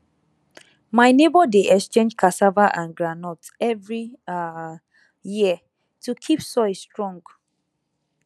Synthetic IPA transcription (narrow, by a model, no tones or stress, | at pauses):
maɪnebɔdeʔɛkst͡ʃẽnd͡ʒkʰasavaʔãnɡɹanɔt | ɛvɹi | jiə | tʰukʰipsɔɪstɹɔ̃ŋɡ